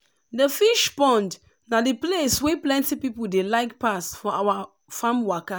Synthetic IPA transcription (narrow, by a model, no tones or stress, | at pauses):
dəfiʃbɔ̃nd | nadeplesweplɛ̃ntipipuldelaɪkpasfɔawa | fãmwaka